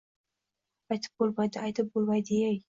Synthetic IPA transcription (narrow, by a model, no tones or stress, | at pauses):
ajt̪ʰɪ̥p̚bolˠmajd̪ɪajt̪ʰɪp̚bolˠmajd̪ejaj